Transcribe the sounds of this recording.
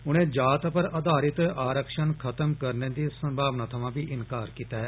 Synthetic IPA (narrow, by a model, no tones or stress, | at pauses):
ʊnẽːd͡ʒaːt̪pəɾəd̪ʱaːɾɪt̪aːɾəkʃənkʰət̪əmkəɾneːd̪iːsəmbʱaːʋnaːt̪ʰəʋãːbiːʔɪnkaːɾkiːt̪aːɦɛː